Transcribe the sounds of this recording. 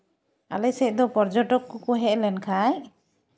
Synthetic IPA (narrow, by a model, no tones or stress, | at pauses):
a̰lɛsɛc̚ˀd̪ɔpɔɾd͡ʒɔʈɔkːɔkɔɦɛʔlɛnkʰaj